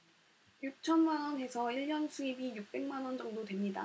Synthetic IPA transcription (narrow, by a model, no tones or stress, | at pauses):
juk̚t͡ɕʰʌnmanwʌnɦe̞sʰʌiɭːʌnsʰuibijuk̚p͈e̞ŋmanwʌnd͡ʑʌŋdotwe̞mɲida̰